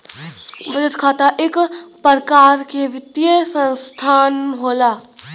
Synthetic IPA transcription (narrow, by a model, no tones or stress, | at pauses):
ʋəd͡ʒət̪kʰaːt̪aʔeːkpəɾkaːɾkeʋɪt̪ijesə̃nst̪ʰaːnɦoːlaː